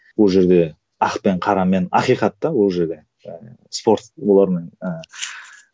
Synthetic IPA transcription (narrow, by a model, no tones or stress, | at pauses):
wolˠʒe̞ɾd̪e̞ | ɑqpe̞ɴqʰɑɾɑme̞nɑqijqɑt̪ːɑwo̞lˠʒe̞ɾd̪e̞ | spo̞ɾt̪wo̞lˠɑɾme̞nə